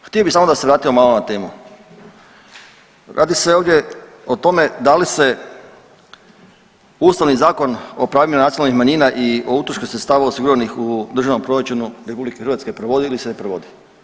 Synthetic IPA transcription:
xt̪ijobisaːmod̪aseʋɾaːt̪iomalonat̪e̞ːmu | ɾʔa̰ːd̪iseoʋd̪ʲje̞ | o̞t̪o̞me̞d̪alise̞ | uːst̪aʋnizaːko̞no̞pɾaːʋʎimanat̪ionalnixmaɲiːnaʔio̞ut̪ɾoʃkosɾet̪st̪aːʋaosiɡuɾʋanixud̪r̩ʒaʋno̞mpɾo̞ɾat͡ʃunuɾepublikexɾʋat̪skepɾoʋo̞d̪iilisenepɾoʋo̞d̪i

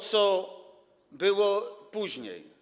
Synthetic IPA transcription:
t̪sɔ | bɘwɔpuʑɲḛj

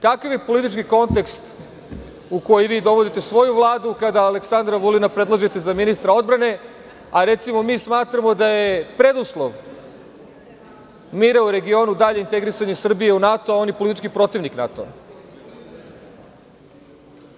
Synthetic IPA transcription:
kakaʋje̞po̞lit̪̬it͡ʃkiko̞nt̪e̞kst̪ | uko̞jiʋiːd̪o̞ʋo̞d̪it̪e̞sʋo̞juʋlˠaːd̪ukad̪aːleksand̪ɾaʋulinapɾdlˠaʒet̪e̞zaminist̪ɾao̞d̪̚bɾane̞ | aɾet̪simo̞miːsmaːt̪ɾamo̞d̪aje̞pɾed̪uslˠoʋ | miːɾauɾe̞ɡio̞nud̪aʎeint̪e̞ɡɾisaɲesr̩bijeunat̪oao̞njepo̞lit̪i̥t͡ʃkipɾo̞t̪iʋnikna̰t̪o̰

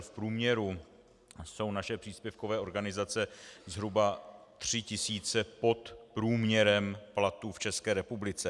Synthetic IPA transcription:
fpɾuːmɲɛɾu | so̞wnaʃɛpr̥iːspjɛfkovɛːʔo̞ɾɡanɪzat͡sɛzɦɾubat̪r̝̥ɪcɪsiːt͡sɛpo̞t̪pɾuːmɲɛɾɛmplat̪uːft͡ʃɛskɛːɾɛpublɪt͡sɛ

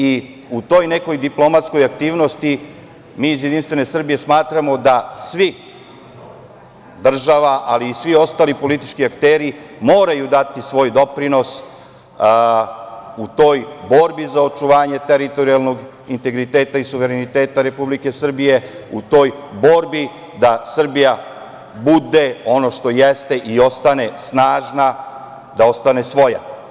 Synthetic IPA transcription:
i | ut̪o̞ːjne̞ko̞jd̪iplˠo̞mat̪skojak̚t̪iːʋno̞st̪i | miːzjed̪inst̪ʋe̞ne̞sr̩bije̞smaːt̪ɾamo̞d̪asʋi | d̪r̩ʒaʋaʔaliːsʋio̞st̪aːlipo̞lit̪i̥t͡ʃkiakt̪eːɾimo̞ːɾajud̪at̪isʋo̞ːjd̪o̞pɾino̞s | ut̪o̞jbo̞ɾbizao̞t͡ʃuʋaːɲe̞t̪e̞ɾit̪o̞ɾialno̞ɡ | int̪e̞ɡɾit̪e̞ːt̪aisuʋe̞ɾenit̪e̞ːt̪aɾe̞publike̞sr̩bije̞ut̪o̞jbo̞ɾbi | d̪asr̩bija | bud̪e̞o̞no̞ʃt̪o̞jest̪eʔio̞st̪ane̞snaːʒna | d̪ao̞st̪ane̞sʋo̞ja

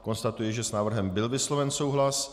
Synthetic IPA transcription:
ko̞nst̪at̪ujɛʒɛsnaːvr̩ɦɛmbɪlvɪslo̞vɛnso̞wɦlas

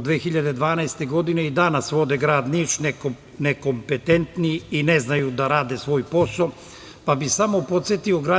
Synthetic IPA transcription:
d̪ʋeːxiʎad̪ed̪ʋaːnaest̪e̞ɡo̞d̪ine̞id̪anasʋo̞d̪e̞ɡɾaːd̪nit͡ʃnek | neko̞mpet̪e̞nt̪niiineznajud̪aɾaːd̪esʋo̞ːjpo̞so | pabisamopo̞t̪sjet̪io̞ɡɾaː

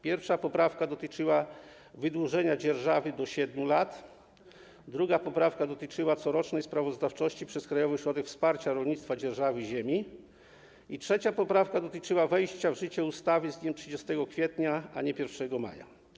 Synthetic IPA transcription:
pʲjɛɾfʂapɔpɾafkad̪ɔt̪ɘt͡ʂɘwa | vɘd̪wuʐɛɲad͡ʑɛɾʐavɘd̪ɔɕɛd̪mʲjulat̪ | d̪ɾuɡapɔpɾafkad̪ɔt̪ɘt͡ʂɘwat̪sɔɾɔt͡ʂnɛjspɾavɔzd̪aft͡ʂɔɕt͡ɕipʂɛskɾajɔvɨɕɾɔd̪ɛkfspaɾt͡ɕaɾɔlɲit̪st̪fad͡ʑɛɾʐavɘʑemʲi | itʂɛt͡ɕapɔpɾafkad̪ɔt̪ɘt͡ʂɘwavɛjɕt͡ɕavʐɘt͡ɕɛust̪avɘzɲɛmtʂɘd͡ʑɛst̪ɛɡɔkfʲjɛt̪ɲaaɲɛpʲjɛɾfʂɛɡɔma̰ja̰

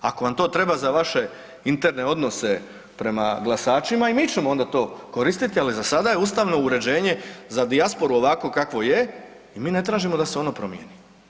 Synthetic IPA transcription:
a̰ko̞ʋamt̪o̞ːt̪ɾe̞bazaʋaʃe̞ | int̪e̞ɾne̞o̞d̪no̞se̞ | pɾe̞ma̰ɡlasaːt͡ʃimaimiːt͡ʃe̞mo̞o̞nd̪at̪o̞ːko̞ɾist̪it̪ializasad̪aje̞ust̪aʋno̞uɾe̞d͡ʑe̞ːɲe̞zad̪iaspo̞ɾuo̞ʋako̞kakʋo̞je | imiːne̞t̪ɾaːʒimo̞d̪aseo̞nopɾo̞mjḛni

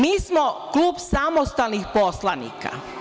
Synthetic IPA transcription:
miːsmokluːbsamost̪alnixposlˠanḭka̰

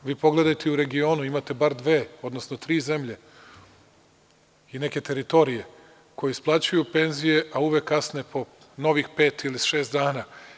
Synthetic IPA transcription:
ʋiːpo̞ɡle̞d̪ajt̪euɾe̞ɡio̞ːnuimat̪e̞baɾd̪ʋe̞ːo̞d̪nosnot̪ɾiːze̞mʎe̞ | ine̞ke̞t̪e̞ɾit̪o̞ɾije̞ | ko̞jesplˠaːt͡ɕujupe̞nzije̞ʔauʋekːasnepʰo̞ | no̞ʋixpe̞ːt̪iliʃe̞ːst̪d̪aːna

